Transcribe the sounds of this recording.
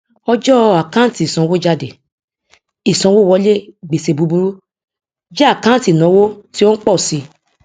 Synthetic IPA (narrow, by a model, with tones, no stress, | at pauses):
ɔ˧d͡ʒɔ˦˧a˨kã˦n˦ti˨sɔ̃˨˦wo˦d͡ʒa˦˨de˨ | i˨sɔ̃˨˦wo˦wɔ˧˦le˦ɡ͡be˨se˨bu˨˧˦bu˦ɾu˦ | d͡ʒɛ˦a˦˨kã˦ti˨nɔ̃˨˦wo˦ti˦o˦n̩˦k͡pɔ˦˨si˧